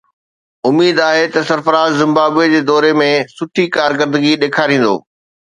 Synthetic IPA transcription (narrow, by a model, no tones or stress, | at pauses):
ʊmiːd̪aːɦet̪ɐsɐɾfəɾaːzːɪ̃mbaːbed͡ʑeːd̪ɔːɾemẽsʊʈʰikaːɾkəɾd̪əɡiɗeːkʰaːɾĩːn̆d̪o̰ː